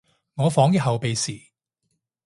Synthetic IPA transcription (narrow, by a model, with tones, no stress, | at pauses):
ŋɔː˨˧fɔː˨˥ŋji˥ɦɐ˨wpe˨jsiː˨˩